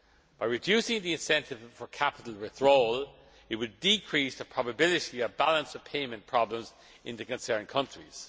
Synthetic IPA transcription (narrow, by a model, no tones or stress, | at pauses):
b̥aɪɹɪdjʉˑsɪ̃ŋðiɪ̃nsɛ̃ntɪv̥fə˞kʰapɪtˡl̩ˠɹɪθɹoʊl | ɪt̚wədikʰɹ̥isðəpʰɹ̥ɑbəbɪlɪɾiəvbalə̃nsə̥pʰẽɪmə̃npʰɹ̥ɑblə̃mz | ʔɪ̃nðəkə̃nsɜ̃˞nkʰʌ̃nt͡ʃɹ̥ḭz̥